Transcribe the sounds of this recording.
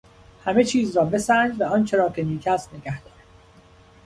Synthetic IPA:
hæme̞t͡ʃʰiːzrɒːbe̞sænd͡ʒvæɒːnt͡ʃʰe̞ɾɒːkʰe̞niːkʰæst̪ne̞ɡæhd̪̥ɒːɾæ

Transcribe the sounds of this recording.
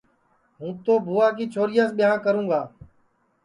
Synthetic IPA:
ɦũːt̪oːbʱuːaːk̬iːt͡ʃʰoːɾɪjaːsɓɪjãːkəɾũːɡaː

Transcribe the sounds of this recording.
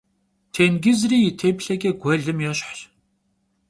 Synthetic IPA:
tʰenɡizriːjitʰepɬɐɡʲeɡʷɐɮɨmjɔɕħɬ

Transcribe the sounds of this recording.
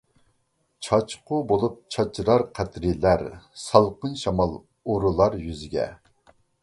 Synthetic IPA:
t͡ʃʰɑt͡ʃqʰʊbolˠup̚t͡ʃʰɑt͡ʃʰɾɑɾqʰæt̪ɾilæɾsɑlˠqənʃɑmɑlˠ | oɾulˠɑɾjyzɪɡʲɛ̰

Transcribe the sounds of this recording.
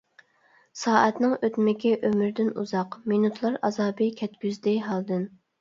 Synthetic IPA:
sɑːʔɛt̪nɨŋøt̪mɪkʲɛʔømɾd̪ɪnṵzɑqminut̪ʰlˠɑɾɑzɑːbɨkʲʰɛt̪kʲyzd̪ɪɦɑlˠd̪ɨn

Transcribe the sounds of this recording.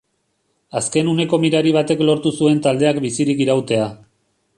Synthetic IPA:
aske̞nune̞ko̞miɾaɾiβ̞at̪e̞klo̞ɾt̪usue̞nt̪ald̪e̞akbisiɾikiɾawt̪e̞a

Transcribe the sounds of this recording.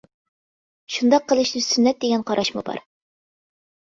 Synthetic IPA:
ʃund̪ɑqʰːəlˠɨʃd̪ysynːɛt̪̚d̪eɡʲɛnqʰɑɾʔɑʃmṵbɑ̰ɾ

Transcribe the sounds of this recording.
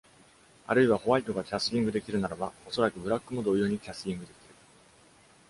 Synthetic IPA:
a̰ɾɯ̟iβaho̞βait̪o̞ɡakʲasɨɾʲĩŋɡɯ̟d̪e̞kʲiɾɯ̟naɾabao̞so̞ɾakɯ̟bɯ̟ɾakːɯ̟no̞d̪o̞ːjo̞ːɲ̟ikʲasɨ̥ɾʲĩŋɡɯ̟d̪e̞kʲiɾɯ̟

